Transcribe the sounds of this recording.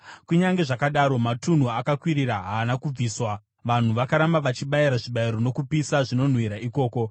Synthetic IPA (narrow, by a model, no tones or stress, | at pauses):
kuɲaŋɡe̞ʐakaɗaɾo̞matun̤uakakwiɾiɾaɦaːnakub͡viːswa | ʋan̤uʋakaɾambaʋat͡ʃiɓaiɾaʐiɓaiɾo̞no̞kupisaʐino̞n̤wiɾaiko̞ːko̞